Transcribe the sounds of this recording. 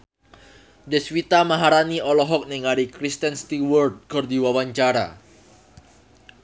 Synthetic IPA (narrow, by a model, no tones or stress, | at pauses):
dɛswit̪amaɦaɾaniɔlɔɦɔk̚nɛŋaɾikɾist̪ɛnst̪iwɔrd̚kərdiwawaɲt͡ʃaɾa̰